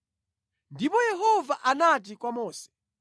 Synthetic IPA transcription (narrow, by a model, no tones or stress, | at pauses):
ndipɔjɛɦɔvaʔanat̬ikwamɔːsɛ̥